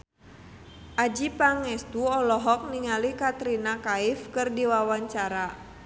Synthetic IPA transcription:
ʔad͡ʒipaŋɛst̪uɔlɔɦɔk̚niŋalikat̪ɾinakaifkɨrdiwawaɲt͡ʃaɾa

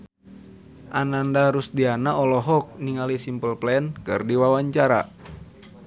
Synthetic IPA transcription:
ʔanandaɾusdianaɔlɔɦɔk̚niŋalisimpəlplɛnkɨ̰rdiwawaɲt͡ʃaɾa̰

